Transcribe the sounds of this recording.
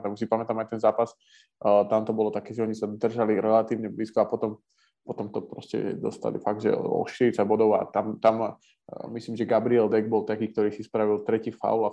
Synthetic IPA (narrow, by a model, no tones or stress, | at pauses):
t̪ɛmus̬ipamɛt̪aːmaɪjt̪ɛnzaːpas | t̪amt̪ɔbɔlɔt̪akɛːʒɛɔɲisad̪r̩ʒaliɾɛlat̪iːʊɲɛbliːskɔapɔt̪ɔm | pɔt̪ɔmt̪ɔpɾɔscɛ̰d̪ɔ̰st̪a̰lḭfaɡ̚d̪ʒɛ̰ɔ̰ʃt̪iɾit͡sabɔd̪ɔʊa̰t̪amt̪am | misliːmʒɛɡabɾiɛld̪ɛɡ̚bɔlt̪akiːk̚t̪ɔɾiːsispɾaʋilt̪ɾɛciːfa̰ʊa